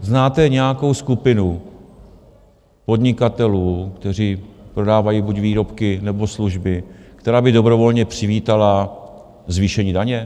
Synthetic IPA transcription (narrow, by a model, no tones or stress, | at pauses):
znaːt̪ɛɲɛjako̞wskupɪnu | po̞dɲɪkat̪ɛluːkt̪ɛr̝iːpɾo̞daːvajibucviːɾo̞pkɪnɛbo̞sluʒbɪkt̪ɛɾaːbɪdo̞bɾo̞vo̞lɲɛpr̝̥ɪviːt̪ala | zviːʃɛɲiːdaɲɛ